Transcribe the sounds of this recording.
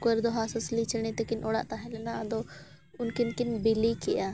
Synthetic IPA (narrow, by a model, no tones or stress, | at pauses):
koɛɾd̪ɔɦasɔslit͡ʃəɽ̃ɛt̪ɛkinʔɔɽa̰ʔt̪aɦɛlɛnad̪ɔ | ʊnkinkinbilikɛʔa